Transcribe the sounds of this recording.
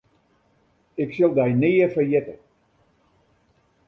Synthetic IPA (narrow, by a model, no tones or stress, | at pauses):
ɪksɪlˠdɛjnɪːəfəɹjɪtə